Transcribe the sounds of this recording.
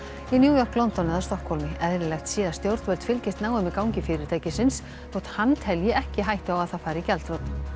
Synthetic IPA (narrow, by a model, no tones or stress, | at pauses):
injuːjɔr̥klɔnt̪ɔnɪðaɾst̪ɔhkhɔlmɪɛðɾɪlɛjxt̪siːðaɾst̪jowɾt̪vɛlt̪fɪlcɪst̪naːwʏmɪkaːwɲcɪfɪɾɪɾ̥t̪ʰaːjcɪsɪns | θɔwt̪hanːt̪ʰɛljɪɛhcɪɦajht̪ɪawaðθaðfaːjɾɪicɛlt̪ɾɔt̪n